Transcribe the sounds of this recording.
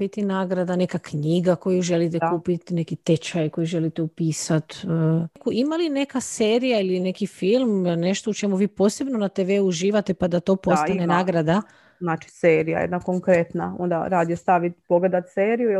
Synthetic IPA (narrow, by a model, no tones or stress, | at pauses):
bit̪inaːɡɾad̪ane̞kakɲiːɡako̞juʒe̞lit̪ekuːpit̪ne̞kit̪e̞t͡ʃajko̞juʒe̞lit̪eupiːsat̪əkuimaline̞kaseːɾijailine̞kifilˠmne̞ʃt̪o̞ut͡ʃe̞muʋiːpo̞ːse̞bnonat̪eʋeuuʒiːʋat̪epad̪at̪o̞ːpost̪anenaːɡɾad̪a | naːt͡ʃi̥seːɾija̰jed̪nakoŋkɾet̪nao̰nd̪a̰ɾaːd̪jest̪aʋit̪poɡled̪at̪seːɾiju